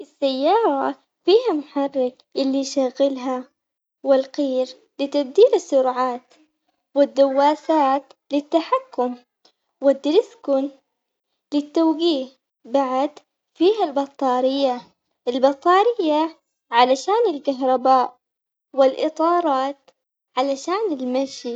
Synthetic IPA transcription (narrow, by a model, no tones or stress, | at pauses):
ʔɪsːajːɑːɾˤɑ | fiːɦamʊħarˤːɪk | ʔɪlːiʃaɣːɪlɦa | wɪlqiːɾ | lɪt̪ab̚d̪iːlɪsːʊɾʕaːt̪ | wɪd̪ːawːaːsaːt̪lɪt̪ːaħakːʊm | wɪd̪ːɪɾɪskʊn | lɪt̪ːawɡiːh | baʕad̪ | fiːɦalbɑt̪ˤːɑːɾɪjːa | ʔɪlbɑt̪ˤːɑːɾɪjːa | ʕalaʃaːnɪlkaɦɾˤɑbaːʔ | wɪlʔɪt̪ˤɑːɾˤɑːt̪ | ʕalaʃaːnɪlmaʃi